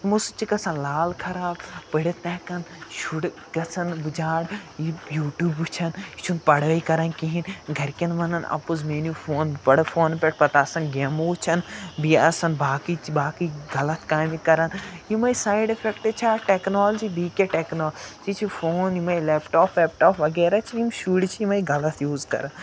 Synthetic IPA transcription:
imusut͡ʃʰiɡɐsãnlaːlkʰɐɾaːbpəɽʲet̪nɛːkɐnʃuɽ | ɡɐsʰɐnbɨd͡ʒaːɽijuːʈjuːbut͡ʃʰɐnit͡ʃʰunpɐɽəːikɐɾɐnkiɦinɡʱɐɾkʲɐnmɐnɐnɐ̰pozmeːnjufoːnpɐɽfʰoːnpʲeʈ̚ʰpɐt̪aːsɐnɡemout͡ʃʰɐnbiasɐnbaːkibaːkiɡɐlɐt̪ʰkaːmikɐɾɐnjimɐjsaːjɖepʰekʈet͡ʃʰaːʈeːknoːlɐd͡ʒibiːkʲeʈeːknoːlt͡ʃit͡ʃʰifʰoːnjimɐjleːpʈaːpʰʋeːp̚ʈoːpʰʋɐɡeːɾat͡ʃʰijimʃuɽt͡ʃʰiimɐiɡɐlɐt̪ʰjuːzkɐ̰ɾɐn

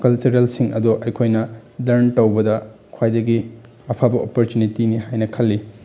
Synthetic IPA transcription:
kɐlt͡ʃuɾelsiŋɐduʔɐjkʰojnɐlɐɾntɐwbɐdɐ | kʰwajdɐɡi | ɐpʰabɐʔopoɾtunitiniɦajnɐkʰɐlːi

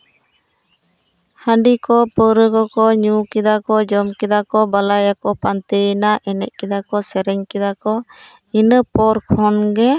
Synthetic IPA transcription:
hãɖikɔpəɾəkɔkɔɲukɛd̪akɔd͡ʒɔmkɛd̪akɔbalajakɔpant̪ənaʔɛnɛ̰ʔ̚kɛd̪akɔsɛɾɛɲkɛd̪akɔ | inəpɔɾkʰɔnɡɛ

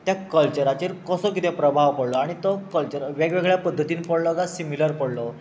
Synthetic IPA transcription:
t̪jakəlt͡ɕəɾat͡ɕiːɾkɔsɔk̬it̪ʰẽpɾəbʱaʋpəɽlɔaɽ̃it̪ɔkəlt͡ɕəɾʋeɡʋeɡɭjapəd̪ʱːət̪iːnpəɽlɔɡasimiləɾpəɽlɔ

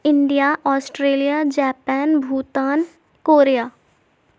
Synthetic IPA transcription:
ɪɳɖijaʔɔːsʈɾeːlijaːd͡ʒɛːpɛːnbʱuːt̪aːn | koːɾejaː

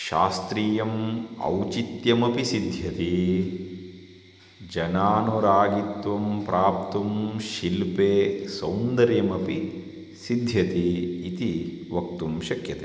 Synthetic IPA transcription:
ʃaːst̪ɾiːjɐmɐ̰wt͡ʃit̪jɐmɐpisid̪ʱjɐt̪i | d͡ʒɐnaːnuɾaːɡit̪ʋɐmpɾʔaːp̚t̪umʃilpeːsɐwnd̪ɐɾjɐmɐpi | sid̪ʱjɐt̪iːt̪i | ʋɐk̚t̪umʃɐkjɐt̪eː

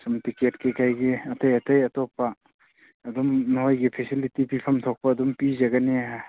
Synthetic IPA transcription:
sɐmtiketkekajɡiɐtɐjɐtɐjɐtɔpɐː | dumnɦojɡipʰesilitipipʰɐmtʰɔk̚pɐːdumpizɐɡɐniɦa

